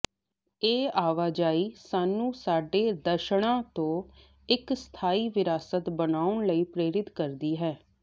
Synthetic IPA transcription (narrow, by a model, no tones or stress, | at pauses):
eːaːʋaːd͡ʒaːiːsaːnũːsaːɖeːd̪əʃɽãːt̪õː | ɪkst̪ʰaːiːʋɪɾaːsət̪bənaːʊɳləiːpɾeːɾɪt̪kəɾd̪iːɦɛː